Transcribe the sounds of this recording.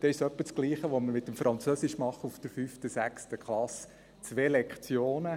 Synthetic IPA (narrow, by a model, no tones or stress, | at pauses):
d̥̪ɛɪʃsœpːət͡sɡ̥liːχəʋoməɾmɪt̪ːəmfɾʔɑnt͡søsɪʃmɑχəufd̥̪əɾfyːftəsækstəkχlɑs | t͡sʋeːlɛkχt͡sjoːnə